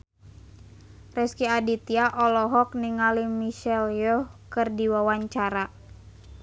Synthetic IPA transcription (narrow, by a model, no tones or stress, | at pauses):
rɛskiadit̪iaʔɔlɔɦɔk̚niŋalimiʃɛljɔkɨrdiwawaɲt͡ʃaɾa